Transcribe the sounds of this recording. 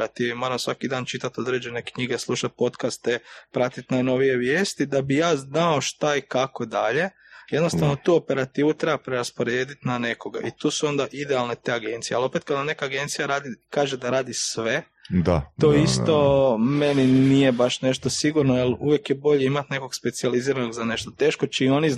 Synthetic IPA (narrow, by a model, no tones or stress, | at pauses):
ɾat̪iːʋimo̞ɾamsʋakid̪aːnt͡ʃit̪at̪o̞d̪ɾe̞d͡ʑe̞ne̞kɲiɡeslˠuʃat̪̚po̞t̪kast̪epɾat̪it̪najno̞ʋije̞ʋjeːst̪id̪abijaːznao̞ʃt̪aikako̞d̪aʎe̞ | jed̪no̞st̪aʋno̞t̪uːo̞pe̞ɾat̪iːʋut̪ɾe̞bapɾeɾaspo̞ɾeːd̪it̪nane̞ko̞ɡa̰ʔit̪uːsuo̞nd̪aʔid̪ealˠnet̪e̞ːaɡe̞nt̪sijealˠo̞pe̞t̪̚kad̪ane̞kaːɡe̞nt̪sijaɾaːd̪ikaːʒed̪aɾaːd̪isʋe̞ | d̪at̪oist̪o̞meninije̞baʃne̞ʃt̪o̞siɡuɾnojeluʋje̞kjebo̞ʎeimat̪ne̞ko̞ɡspe̞t̪sializiːɾanoɡzane̞ʃt̪o̞t̪e̞ːʃkot͡ʃiːo̞ni